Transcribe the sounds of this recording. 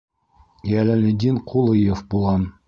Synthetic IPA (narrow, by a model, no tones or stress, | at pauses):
jælælʲɘd̪ʲinqʰulˠɤjefbulˠʁɑn